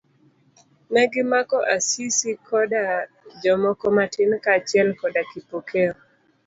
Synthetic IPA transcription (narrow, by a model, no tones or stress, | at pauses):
nɛɡɪmakɔʔasisikʰɔda | d͡ʒɔmɔkɔmatɪnkat͡ʃjɛlkɔdakipokeɔ